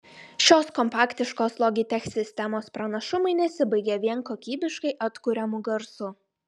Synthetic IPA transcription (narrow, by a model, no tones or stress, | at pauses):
ʃʲoːskɔmpɑːkt̪ʲɪʃkoːslˠɔɡʲɪt̪ʲɛxʲsʲɪsʲt̪ʲɛmoːspɾɐnɐʃʊmɐɪnʲɛsʲɪbɐɪɡʲeːʋʲiɛŋkoːkʲiːbʲɪʃkɐɪʔɐt̪kʊɾʲɛmʊɡɐɾsʊ